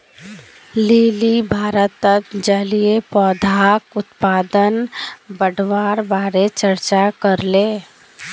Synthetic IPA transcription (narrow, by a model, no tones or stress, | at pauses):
leːlibʱaːɾət̪ːət̪d͡ʒəliepɔːd̪ʱaːkʊt̪paːd̪ənbəɖʱʋaːɾbaːɾet͡ʃəɾt͡ʃakəɾleː